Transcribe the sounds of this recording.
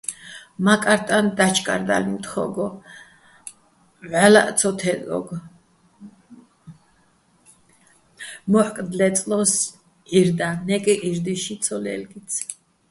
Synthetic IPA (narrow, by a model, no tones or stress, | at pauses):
makʼaɾt̪ʼand̪at͡ʃʰkʼa̰ɾd̪a̰limt̪ʰχɔ̰ɡɔ | ʕala̰t̪sʰɔt̪ʰɛd̪ɔ̰ɡ | mɔħkʼd̪lɛt̪sʼlɔs | iɾd̪anɛkʼiʔiɾd̪iʃit̪sʰɔlɛ̰lɡit̪sʰ